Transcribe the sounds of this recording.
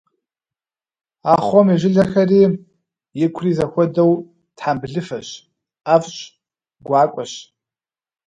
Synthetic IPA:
aːχʷɔmiʒɪɮɐxɐriː | jɪkʷʰriːzɐxʷɔdɐw | tħambɮɨfɐɕ | afɕʼ | ɡʷaːkʷʼɔɕ

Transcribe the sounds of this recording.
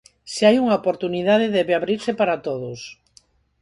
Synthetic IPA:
seajuŋaopoɾt̪uniðað̞eðɛβeaβɾiɾsɪpaɾat̪oðʊs

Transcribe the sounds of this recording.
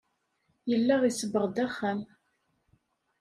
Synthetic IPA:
jəlːæʁisəbːəʁd̪æχːæm

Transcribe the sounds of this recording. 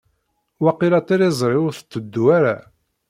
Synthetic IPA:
waqːilɑt̪ˤiɾizˤɾˤiʊɾθə̥t͡s̪ːəd̪ːuaɾa

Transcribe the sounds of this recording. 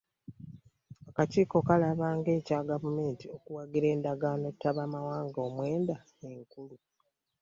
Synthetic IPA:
akaciːko̞kalaβaːŋɡe̞ːcaːɡavume̞ːntiokuwaɡiɾe̞ːndaɡaːno̞tːaβaːmawaːŋɡo̞ːmwe̞ːnda | eŋkulu

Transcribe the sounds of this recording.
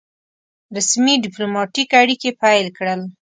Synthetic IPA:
ɾasmiɖɪplomɑʈikaɽikepajlkɽəl

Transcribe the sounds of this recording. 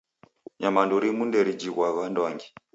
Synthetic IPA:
ɲamanduɾimundɛɾid͡ʒiɣwaɣandaŋɡi

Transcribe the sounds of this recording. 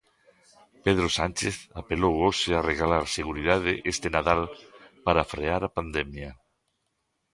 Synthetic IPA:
peð̞ɾosanʲt͡ʃeθapelowoseareɣalaɾseɣuɾiðaðeʔest̪enaðalpaɾafɾeaɾapand̪emja

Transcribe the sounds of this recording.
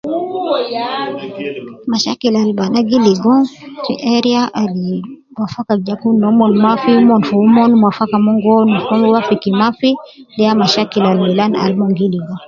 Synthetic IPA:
maʃakilalbanaɡiliɡɔnsḭʔɛɾiaʔali | wafakad͡ʒakundɔmɔnmafimɔnfɔumɔnumwafakamɔŋɡɔnufɔmwafikimafidɛjamaʃakilalmɛlana̰lmɔŋɡiliɡɔ

